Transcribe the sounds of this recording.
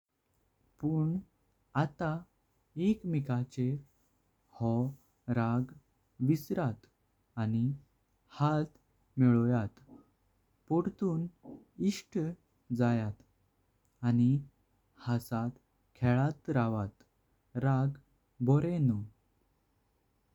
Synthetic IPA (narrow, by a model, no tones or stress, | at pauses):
puɳ | at̪a | ekmikat͡ɕe | hɔ | ɾaɡ | ʋisɾat̪ | ani | hat̪ | mɛɭɔjat̪ | pɔɽt̪uːn | iʂʈ | d͡zajat̪ | ani | hasat̪ | kʰɛɭat̪ɾaʋat̪ | ɾaɡ | bɔɾenu